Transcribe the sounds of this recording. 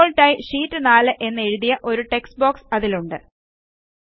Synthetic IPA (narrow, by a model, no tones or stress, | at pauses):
olʈːaːjiʂiːtːɨnaːlɨʔe̞nːɐe̞ɻuðijɐʔo̞ɾuʈe̞ksbo̞ːksɐðiluɳɖɨ